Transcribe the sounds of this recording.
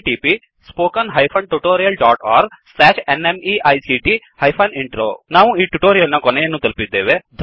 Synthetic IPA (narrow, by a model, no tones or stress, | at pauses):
ʈiːpi | spoːkɐnɦɐjpʰɐɳʈuʈoːɾijɐlɖaːʈaːɾslɛːʃenemiʔɐjsiʈi | hɐjpʰɐniɳʈɾoːnaːʋuiːʈuʈoːɾijɐlnɐkɔnɛjɐnːuːt̪ɐlpid̪ːḛːʋed̪ʱ